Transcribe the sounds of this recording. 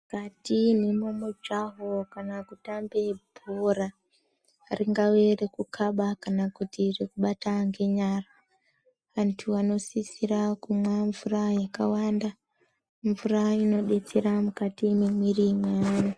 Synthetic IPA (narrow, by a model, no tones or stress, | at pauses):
ukatinemomod͡ʒaɦo̞kanakutambe̞bʱora | riŋɡawe̞re̞kukʰaɓakanakutirekuɓataŋɡe̞ɲara | ʋantʰuano̞sisirakumwaɱvurajakawanda | ɱvuraino̞ɗe̞t͡seɾamukatimimwirimwaana